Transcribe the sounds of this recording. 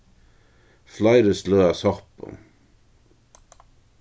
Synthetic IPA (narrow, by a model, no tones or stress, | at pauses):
flajɾəslœːasɔpʊ̰